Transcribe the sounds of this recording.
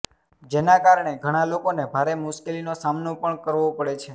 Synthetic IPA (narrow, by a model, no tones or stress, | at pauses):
d͡ʒenakaɾɳ̃eɡʱəɽ̃alokonebʱaɾemʊʃkelinosamnopəɳkəɾʋopəɽet͡ʃʰe